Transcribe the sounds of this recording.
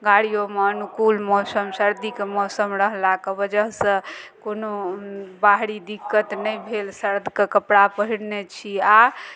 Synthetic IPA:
ɡaɽijomeənukulmɔsəmsəɾd̪ikemɔsəmɾəɦlakebəd͡ʒəɦsə̃konobaɦɽid̪ikːət̪nəjbʱelsəɾd̪ʱkekəpɽapəɦiɽnet͡ʃʰia

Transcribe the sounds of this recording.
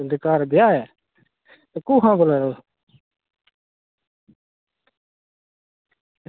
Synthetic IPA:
ɪd̪ɪkaːɾbɪjaːɛː | t̪oːkuːɦãːboleːɾoː

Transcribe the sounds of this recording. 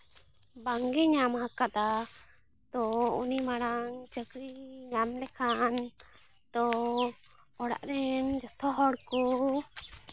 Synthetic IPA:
baŋɡɛɲamhakat̪a | t̪ɔunimaɽaŋt͡ʃəkɾiɲamlɛkʰan | t̪ɔ | ɔɽa̰ʔɾɛnd͡ʒɔt̪ʰɔɦɔɽku

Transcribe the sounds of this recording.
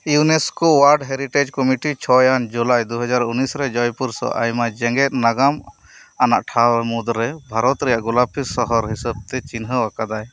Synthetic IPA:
juneskowaɾɖɦeɾiʈed͡ʒkɔmiʈit͡ʃʰɔjand͡ʒulajd̪uɦɔd͡ʒaɾunisɾɛd͡ʒɔjpuɾsɔ̰ʔa̰jmad͡ʒɛŋɡɛt̪̚naɡam | anaʔʈʰaɾmud̪ɾːɛbʱaɾɔt̪ɾɛjaʔɡɔlapʰisɔɦɔɾɦisab̚t̪ɛt͡ʃinɦəwakad̪aj

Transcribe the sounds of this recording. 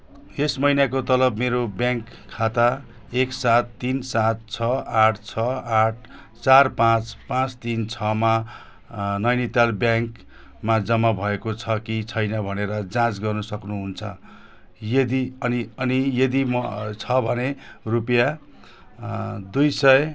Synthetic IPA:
esmʌjnakot̪ʌlʌbmeɾobjãŋkʰːat̪a | eksat̪ːinsat̪̚t͡sʰʌaʈʰt͡sʰʌaʈ̚ʰ | t͡sarpãt͡spãt͡st̪int͡sʰʌma | nʌjnit̪albjãŋk | mad͡zʌmːabʱʌekot͡sʰʌkit͡sʰʌjnʌbʱʌneɾʌd͡zãt͡sɡʌrnʌsʌknuɦunt͡sʰʌ | jʌd̪iʌniʌnijʌd̪imt͡sʰʌbʱʌnerupja | d̪ujsʌje

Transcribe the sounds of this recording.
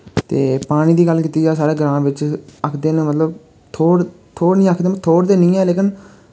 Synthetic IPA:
t̪ḛːpaːɽ̃iːd̪iːɡəlkiːt̪iːd͡ʒaːsaːɾeːɡəɾãːʋɪt͡ʃəkʰd̪eːnə̃mət̪ləb | t̪ʰoːɽ | t̪ʰoːɾnĩːəkʰd̪eːmt̪ʰoːɾd̪eːnĩːɛːleːkɪn

